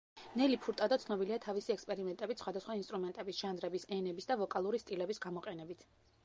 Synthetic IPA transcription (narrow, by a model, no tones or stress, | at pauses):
nɛlipʰuɾt̪ʼad̪ɔt̪sʰnɔbiliat̪ʰavisiɛkspʼɛɾimɛnt̪ʼɛbit̪sχwad̪asχwainst̪ʼɾumɛnt̪ʼɛbisʒ̥and̪ɾɛbisɛnɛbisd̪avɔkʼalˠuɾist̪ʼilɛbisɡamɔqʼɛnɛbit̪ʰ